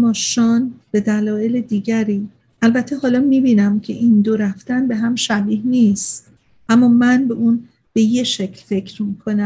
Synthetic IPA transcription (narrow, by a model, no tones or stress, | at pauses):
mɒːʃɒːnb̥e̞d̪ælɒːe̞led̪iːɟæɾiː | ʔælbæt̪ʰːeɦɒːlɒːmiːbiːnæmcʰe̞ʔind̪oɾæft̪ænbe̞ɦæmʃæbiːhniːst̪ | ʔæmːɒːmænbe̞ʔuːn | b̥e̞je̞ʃe̞cʰlfe̞cʰɾmikʰo̞næ